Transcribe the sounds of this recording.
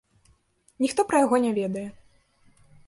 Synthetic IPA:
nʲixt̪ɔpɾɐjaɣɔnʲɛvʲɛd̪ɐjɛ

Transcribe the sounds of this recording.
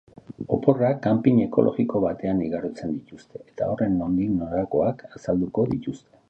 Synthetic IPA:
o̞̰po̞rakampiɲe̞ko̞̰lʔo̞̰ɣiko̞βat̪e̞aniɣaɾot͡se̞nd̪it̪ust̪e̞ʔet̪a̰o̞re̞nmond̪iɣnoɾako̞akasald̪uko̞ðit̪ust̪e̞

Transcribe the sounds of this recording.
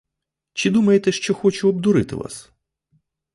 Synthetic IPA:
t͡ʃɪd̪umɐjet̪ɛʃt͡ʃɔxɔt͡ʃʊɔbd̪ʊɾɪt̪ɪ̰ʋa̰s

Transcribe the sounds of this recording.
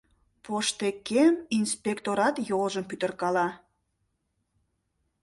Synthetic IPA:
poʃt̪ekeminspʲekt̪oɾɑt̪joʒəmpyt̪ə̆rkɑlɑ

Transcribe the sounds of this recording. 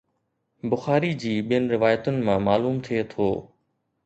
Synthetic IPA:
bʊxaːɾid͡ʑiːɓijənɪ̆ɾɪʋaːjət̪ʊnɪ̆mãːmaːluːmt̪ʰiet̪ʰoː

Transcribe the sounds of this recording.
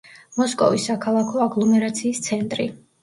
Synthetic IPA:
mɔskʼɔ̰visːakʰalˠakʰɔaɡlˠɔmɛɾat̪sʰiːst̪sʰɛnt̪ʼɾi

